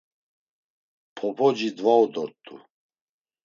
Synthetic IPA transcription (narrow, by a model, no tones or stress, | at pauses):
pʰɔpʰʼɔd͡ʒid̪vaɔd̪ɔɾt̪ʼṵ